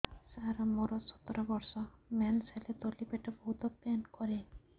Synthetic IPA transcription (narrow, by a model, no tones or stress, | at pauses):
saɾamoɾɔsɔ̥t̪ɔɾɔbɔɾsɔmanselet̪olibeʈɔbɔɦut̪ɔpankɔɾe